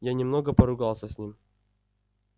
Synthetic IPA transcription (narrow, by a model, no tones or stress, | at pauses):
janʲɪmnoɡəpəɾʊɡɑlˠsʲəsʲnʲim